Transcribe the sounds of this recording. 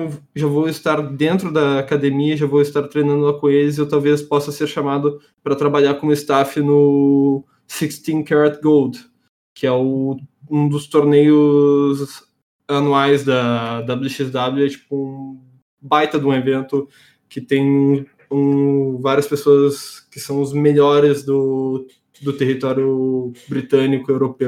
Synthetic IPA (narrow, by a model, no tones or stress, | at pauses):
ew | ʒavowɪst̪aɾd̪ẽnt̪ɾʊd̪ɐakad̪emiɐʒavowɪst̪aɾt̪ɾejnɐ̃nd̪ʊlakõelɪz̬ɪewt̪awvespɔsɐseɾʃamad̪ʊ | pɾɐt̪ɾabaʎaɾkõmʊɪst̪afɪnʊ | sikst̪ĩkaɾat̪ɡowld̪ | kɪɛʊũd̪ʊst̪oɾnejʊz | anuajzd̪ɐd̪abluʃizd̪abluɛt͡ʃi̥pʊũ | bajt̪ɐd̪ũevẽnt̪ʊ | kɪt̪ẽj̃ũ | ũvaɾiɐspesoɐskɪsɐ̃w̃ʊzmeʎɔɾɪzd̪ʊ | d̪ʊt̪eɦit̪ɔɾjʊbɾit̪ɐ̃nikʊewɾopew